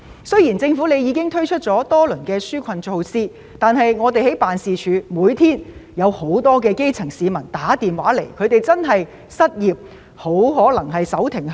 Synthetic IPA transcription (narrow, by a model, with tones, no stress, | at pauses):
sɵ˥ɥjiː˨˩nt͡sɪ˧ŋfu˨˥ne˨˧jiː˨˧kɪ˥ŋt̪ʰɵ˥ɥt͡ʃʰɵ˥t̚t͡sɔː˨˥t̪ɔː˥lɵ˨˩nkɛː˧syː˥kʷʰɐ˨nt͡ʃo˧wsiː˥ | t̪aː˨˧nɦɐ˨jŋɔː˨˧t̪e˨jɦe˨˥jpaː˨nsiː˨t͡ʃʰyː˨˧muː˨˧˥jt̪ʰiː˥njɐ˨˧who˨˥wt̪ɔː˥k̬ɛː˧ke˥jt͡sʰɪ˨˩ŋsiː˨˧mɐ˨˩nt̪aː˨˥t̪iː˨mwaː˨˥le˨˩jkʰɵ˨˧ɥt̪e˨jt͡sɐ˥nɦɐ˨j | sɐ˥t̚jiː˨p̚ | ho˨˥wɦɔː˨˥lɐ˨˩ŋɦɐ˨jsɐ˨˥wt̪ʰɪ˨˩ŋ